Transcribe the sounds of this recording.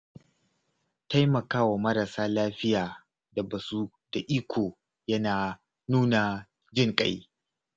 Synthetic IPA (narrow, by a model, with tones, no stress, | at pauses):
ta˦jmɐ˨kaː˦wa˨mɐ˦ɾa˨saː˦laː˦ɸɪ˦jaː˨ | da˨bɐ˨su˦ | da˨ʔiː˦kʷʰoː˨ | jɐ˦naː˨ | nuː˦na˨ | d͡ʒɪ˦˨ŋkʼa̰˦j